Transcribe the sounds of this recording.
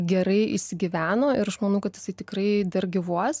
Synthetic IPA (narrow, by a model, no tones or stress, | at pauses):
ɡʲɛɾɐɪʔḭʃsʲɪɡʲɪʋʲæːnoːɪɾɐʃmɐnɐʊkɐt̪jɪsɐɪt̪ʲɪkɾɐɪd̪ɐrɡʲɪʋuɔs